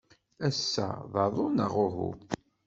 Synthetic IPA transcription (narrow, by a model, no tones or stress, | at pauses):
æsːæ̰ðˤɑðˤʊnəʁʊɦṵ